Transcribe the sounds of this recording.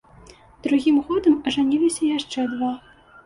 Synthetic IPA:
d̪̥ɾuɣʲimɣɔd̪əmɐʐɐnʲilʲisʲɐjaʂt͡ʂɛd̪ʋa

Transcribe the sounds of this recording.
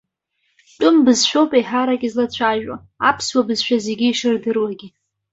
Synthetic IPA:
ʈ͡ʂʼʊmbɨzʃᶣowpʼejħaɾakʲʼizlat͡ɕʷʰaʒᶣwa̰ | apʰswabɨzʃᶣazeɡʲiiʂɨrdɨrwaɡʲi

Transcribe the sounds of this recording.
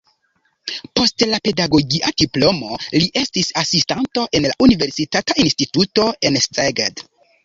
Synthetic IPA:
po̞stlape̞daɡo̞ɡiʔadiplo̞mo̞liʔe̞stisasistanto̞ʔe̞nla̰ʔunive̞ɾsitatainstituto̞e̞nsteɡad

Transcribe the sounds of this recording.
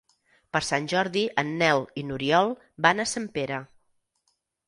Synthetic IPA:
pəɾsanʲʒɔɾðiʔənːɛlˠinuɾiɔlˠ | banəsampeɾə

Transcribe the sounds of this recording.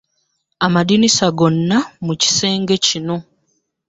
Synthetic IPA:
amadinisaɡo̞nːamuci̥se̞ːŋɡe̞cino̞

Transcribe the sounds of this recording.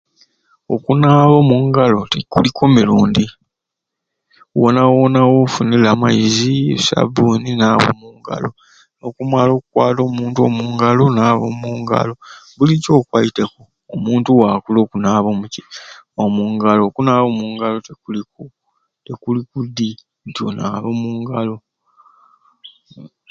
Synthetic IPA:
o̰kunaːβomuŋɡalo̞tekṵlikomiluːndi | wonawonawofunilaːmaiziḛsa̰buːninaːβo̰muŋɡa̰lo̞ | no̞kumalo̞ːkukwaːto̞ːmuːntuo̞̰muŋɡalo̞naːβo̰muːŋɡa̰lo̞βulico̞ːkwaitekoːmuːntuwakulo̞ːkunaːβo̞muiomuːŋɡalo̞kunaːβomuːŋɡalo̞tekuliku | tekulikudi | ntjo̰na̰ːβo̞muŋɡalo̞

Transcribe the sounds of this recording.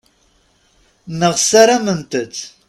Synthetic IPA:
nɨʁsɐɾɐmɨntʰɨtʰ

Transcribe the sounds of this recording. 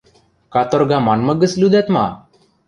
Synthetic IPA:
kat̪ɔɾɡamanməɡəslud̪ɛt̪ma̰

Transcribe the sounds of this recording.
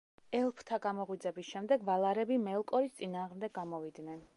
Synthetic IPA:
ɛlˠpʰt̪ʰaɡamɔʁwid̪zɛbisʃɛmd̪ɛɡvalˠaɾɛbimɛlˠkʼɔɾist̪sʼinaːʁmd̪ɛɡ̚ɡamɔvid̪nɛn

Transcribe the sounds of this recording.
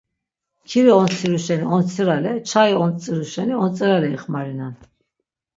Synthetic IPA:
kʰiɾiɔnt͡sʰiɾuʃɛniɔnt͡sʰiɾalɛt͡ʃʰaiɔnt͡sʼiɾuʃɛniɔnt͡sʼɛɾalɛiχmaɾinan

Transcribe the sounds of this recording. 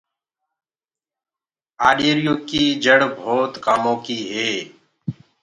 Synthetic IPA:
aːɗeːɾjõːkiiːd͡ʒəɽbʱoːt̪kaːmõːkiːɦeː

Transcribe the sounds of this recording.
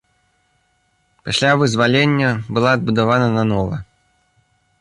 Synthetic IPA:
pasʲlʲavɨzvalʲenʲːɐbɨlˠaːd̪̚bud̪avanɐnanɔvɐ̰

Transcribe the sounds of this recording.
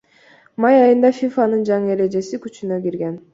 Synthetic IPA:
mɑjɑjɯnd̪ɑfʲifanɯnd͡ʒɑŋɯe̞ɾe̞d͡ʒe̞sikʲyt͡ʃynøɡʲiɾɡe̞n

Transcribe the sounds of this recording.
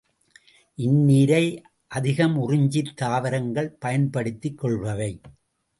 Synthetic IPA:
ʔɪnːiːɾɐɪ | ʔɐðɪɣɐmʊrɪɲd͡ʒɪɾt̪ːaːʋɐɾɐŋɡɐɭpɐjɐnpɐɽɪt̪ːɪkːɔɭʋɐʋɐɪ

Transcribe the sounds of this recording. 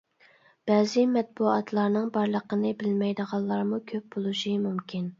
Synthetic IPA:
b̥ɛːzɪmɛt̪̚buɑt̪ʰlˠɑɾnɨŋbɑɾlˠəqənɨbɪlmɛjd̪əʁɑlˠːɑɾmukʲʰøp̚b̥olˠuʃimumkʲʰin

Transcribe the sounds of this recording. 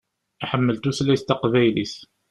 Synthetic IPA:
aħəmːəlt̪uθlæst̪ɑqvæjliθ

